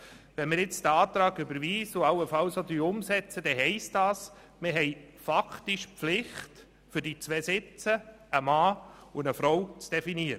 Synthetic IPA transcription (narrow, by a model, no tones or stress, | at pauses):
ʋɛnmɪɾjɪt͡sd̥̪əɑːt̪ɾɑːɡʏbəɾʋiːsʊɑwəfɑwsod̪yːʊmsɛt͡səd̥ɛɦɛɪstɑːs | mɪɾɦɛɪ | fakʰtiʃpflɪχt | fʏɾdit͡sʋɛːsɪt͡sə | əmɑːʊnəfɾɔwt͡sd̥ɛfiniəɾə